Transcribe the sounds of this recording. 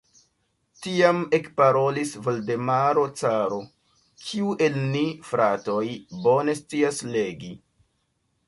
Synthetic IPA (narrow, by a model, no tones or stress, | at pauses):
tiame̞kpaɾo̞lisvo̞lde̞maɾo̞t͡saɾo̞ | kʰiuʔe̞lnifɾato̞jbo̞ne̞st͡siasle̞ɡi